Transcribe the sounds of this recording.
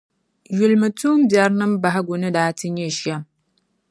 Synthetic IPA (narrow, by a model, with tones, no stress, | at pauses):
ju˨lmɨ˨tu˦m˦bja˨ɾnɨ˦mba˨ɦa˦ɡʷo˨nɨ˦daː˨˦ti˦ɲe˦˨ʃa˦˨m